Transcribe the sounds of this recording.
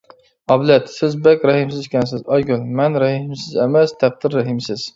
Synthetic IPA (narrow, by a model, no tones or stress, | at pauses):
ɑblɛt̪sɪzbɛkʲɾɑhɪmsɪzkʲɛnsɪzɑjɡʲʊlmɛnɾæhɪmsɪzemɛst̪ʰæq̚d̪ɪɾːæɦɪmsɪz̥